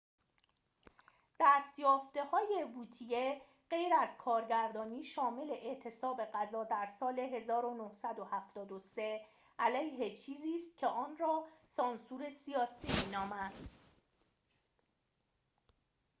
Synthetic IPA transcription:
d̪̥æst̪jɒːft̪ehɒːje̞vuːt̪ʰije̞ | ɢe̞jɾæzkʰɒːɾɟæɾd̪ɒːniːʃɒːme̞le̞ʔeʔt̪ʰe̞sɒːbe̞ɢæzɒːd̪æɾsɒːle̞ɦe̞zɒːɾo̞nohsæd̪ohæft̪ɒːd̪ose̞ | ʔælæjɦet͡ʃʰiːziːst̪̚cʲʰe̞ʔɒːnɾɒːsɒːnsuɾe̞sijɒːsiːmiːnɒːmæd̪̥

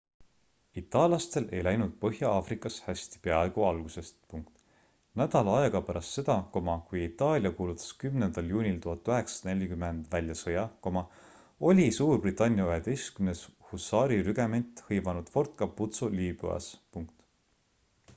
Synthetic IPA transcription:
it̪ːˑɑːlɑst̪e̞lʔe̞jlæjnud̪̥̚pɤɦjɑɑːfrikːˑɑshæsʲt̪i̥peɑeɡ̥uɑlɡ̥use̞st̪puŋkt̪ˑ | næd̪̥ɑlɑɑeɡ̥ɑpæɾʔɑst̪se̞d̪̥ɑko̞mɑkujit̪ːˑɑːlʲjɑkuːlut̪ːˑɑ̥skymnend̪̥ɑljuːnʲilt̪uhɑt̪ːˑyɦe̞ksɑ̥ne̞lʲikymend̪̥vælʲjɑsɤjɑko̞mɑ | o̞lʲisuːrbrit̪ːˑɑnʲːjɑyɦed̪e̞jst̪kymneshusːɑːɾiɾyɡe̞ment̪ˑhɤjvɑnud̪̥fo̞rt̪̚kɑput̪suliːb̥y̰ɑ̰spuŋk̚t̪

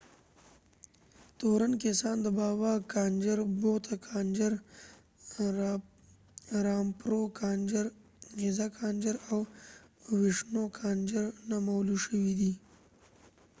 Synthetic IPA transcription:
t̪oɾankesɑnd̪əbɑwɑkɑnd͡ʒəɾbot̪ʰakʰɑnd͡ʒəɾ | ɾɑmpɾokɑnd͡ʒəɾ | hezakʰɑnd͡ʒəɾaw | wɪʂnokʰɑnd͡ʒəɾnamawluʃəwid̪i

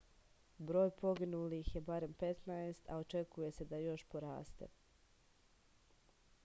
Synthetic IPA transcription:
bɾo̞ːjpo̞ɡinulixje̞baɾe̞mpe̞t̪naest̪ʰa̰ot͡ʃe̞kuje̞se̞d̪ajo̞ʃpoɾa̰ːst̪e̞̰

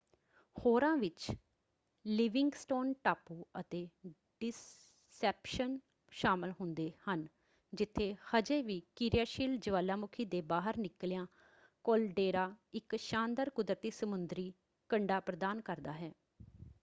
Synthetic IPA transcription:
hoːɾãːʋɪt͡ʃ | lɪʋɪŋɡsʈoːnʈaːpuːət̪eː | ɖɪs | ɛːpʃən | ʃaːmɪlɦʊnd̪eːhən | d͡ʒɪt̪ʰːeːhəd͡ʒeːʋiːkiɾɪjaːʃiːld͡ʒəʋaːlːaːmʊkʰiːd̪eːbaːɦəɾnɪkljãː | kolɖeːɾaːɪkʃãːnd̪əɾkʊd̪ɾət̪iːsəmʊnd̪ɾiː | kəɳɖaːpɾəd̪aːnkəɾd̪aːɦɛː

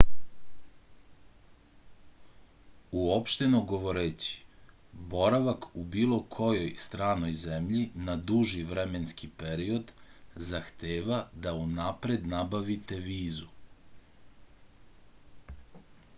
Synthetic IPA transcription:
uopʃt̪e̞noɡo̞ʋo̞ɾeːt͡ɕi̥ | bo̞ɾaʋakubiːlˠo̞kʰo̞jo̞jst̪ɾaːno̞jzemʎinad̪uʒiʋɾemenskipeɾio̞d̪zaxt̪eːʋad̪aunapɾe̞d̪nabaʋit̪e̞ʋiːzu

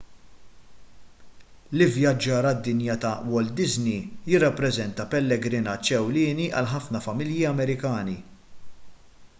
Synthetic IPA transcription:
lɪvjɐd͡ʒːɐːɾɐd̪ːɪnjɐt̪ɐwɔld̪ɪznijɪrːɐpːɾɛzɛnt̪ɐpɛlːɛɡɾɪnɐːt͡ʃːɛwlɪːniʔɐ̰lħɐfnɐfɐmɪljiɐmɛɾɪkɐːni

